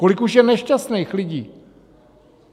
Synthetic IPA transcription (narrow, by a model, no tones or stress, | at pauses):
ko̞lɪkuʃjɛnɛʃcast̪nejxlɪɟiː